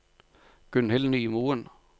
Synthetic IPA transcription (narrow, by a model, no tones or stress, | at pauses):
ɡ̥ʉnhɪlnyːmuːən